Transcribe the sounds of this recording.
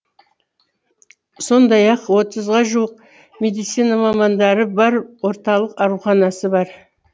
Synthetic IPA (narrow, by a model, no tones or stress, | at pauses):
so̞nd̪ɑjɑqwo̞t̪əzʁɑʒuəq | me̞d̪ijt̪sijnamɑmɑnd̪ɑɾəbɑɾwo̞ɾt̪ɑlˠəqɑɾuχɑnɑsəbɑɾ